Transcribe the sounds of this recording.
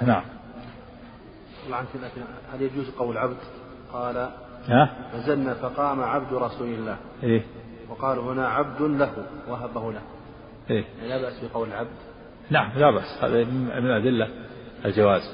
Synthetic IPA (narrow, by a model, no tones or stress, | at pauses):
naʕam | ɑlːʕnklaːkɪnhaljad͡ʒuːzqɑwːɪlʕabd̪ | qɑːla | hanazalnaːfɑqɑːmaʕab̚d̪ɾˤɑsuːlɪlːaːh | ʔeː | wɑqɑːlhʊnaʕab̚d̪ʊnlahʊwʔaɦabahʊlah | ʔeːaʕnilaːbaʔsbɪqɑwlɪlʕab̚d̪ | naʕamlabaʔsha̰ːðammɪnʔad̪ɪlːa | ɪld͡ʒawaːz